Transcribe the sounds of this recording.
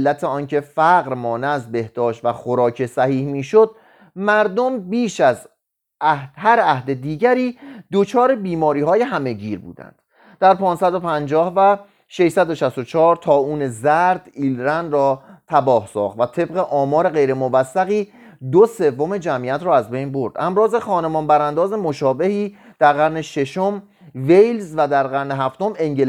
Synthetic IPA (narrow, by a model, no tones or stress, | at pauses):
lːæt̪ʰe̞ɒːncʰe̞fæɣɾmɒːneæzbe̞hd̪̥ɒːʃt̪væxo̞ɾɒːcʰe̞sæhiːhmiːʃo̞d̪̥̚ | mæɾd̪ombiːʃæz | æhd̪̥ɦæɾæhd̪e̞d̪iːɟæɾiːd̪o̞t͡ʃʰɒːɾe̞biːmɒːɾiːɦɒːje̞ɦæme̞ɟiːɾbṵːd̪æ̰nd̪̥ | d̪̥æɾpʰɒːnsæd̪o̞pʰænd͡ʒɒːhvæ | ʃeʃsæd̪o̞ʃæst̪o̞t͡ʃʰɒːɾt̪ʰɒːuːne̞zæɾd̪iːlɾænrɒːt̪ʰæbɒːhsɒ̰ːχt̪væt̪ʰe̞bʁeʔɒːmɒːɾe̞ɣe̞jɾe̞movæsːæɣiː | d̪ose̞vːome̞d͡ʒæmʔiːæt̪ʰɾɒːæzbe̞jnbo̞ɾd̪̥æmɾɒːze̞xɒːne̞mɒnbæɾænd̪ɒːze̞mo̞ʃɒːbe̞hiː | d̪̥æɾɣæɾne̞ʃe̞ʃom | vejlzvæd̪æɾɣæɾne̞ɦæft̪o̞me̞ŋɟel